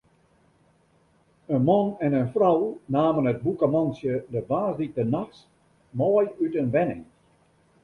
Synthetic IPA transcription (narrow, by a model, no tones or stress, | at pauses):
ənmɔnɛnənfrɔwnaːmənət̚bukəmɔnsjədəbaːzdik̚dənaxs | mɔːjytənʋɛnɪ̰ŋ